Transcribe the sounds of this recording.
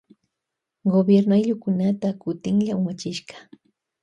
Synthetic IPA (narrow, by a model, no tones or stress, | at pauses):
ɡobjeɾnajʎʊkʊnat̪akʊt̪ɪŋʎamat͡ʃɪʃɢɑ̥